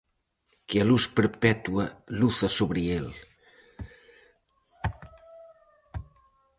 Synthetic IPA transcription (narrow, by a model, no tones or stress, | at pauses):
kealuspəɾpɛt̪uɐluθɐsoβɾiel